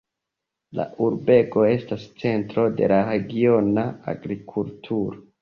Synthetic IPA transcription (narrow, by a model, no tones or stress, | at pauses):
la̰ʔuɾbe̞ko̞e̞stast͡se̞ntɾo̞de̞̰laɾeɡio̞naa̰ɡɾikʰultʰuɾo